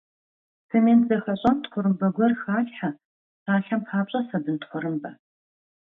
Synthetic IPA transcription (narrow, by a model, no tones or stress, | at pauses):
sɨmeːnzɐxɐɕʼɐmtχʷʊɾɨmbɐɡʷɔrxaːɬħa | saːɬɐmpʰaːpɕʼɐsɐbɨntχʷʊɾɨmbɐ